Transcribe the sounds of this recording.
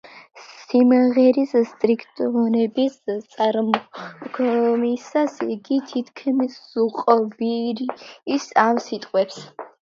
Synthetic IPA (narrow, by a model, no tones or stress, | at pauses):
simʁɛɾisst̪ʼɾikʰt̪ʼɔɔnɛbist̪sʼaɾmkʰmisasiɡit̪ʰit̪ʰkʰmiszuqʼɔviɾːsamsit̪ʼqʼwɛps